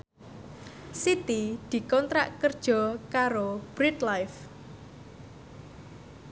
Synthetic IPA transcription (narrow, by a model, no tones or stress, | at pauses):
sit̪id̪̥i̤kɔnt̪ɾaʔkərd̥ʒ̥ɔ̤kaɾob̥ɾit̪lajf